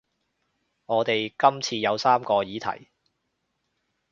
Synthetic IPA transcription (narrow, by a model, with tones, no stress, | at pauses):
ŋɔː˨˧t̪e˨jkɐ˥mt͡sʰiː˧jɐ˨˧wsaː˥mkɔː˧jiː˨˥t̪ʰɐ̰˨˩j